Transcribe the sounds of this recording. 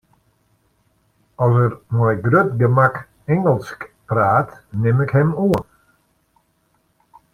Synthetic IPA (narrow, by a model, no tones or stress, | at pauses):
ɔsərmɔjɡrøtɡəmak | ɛŋəlˠskpraːtnɪmɪkhɛmuən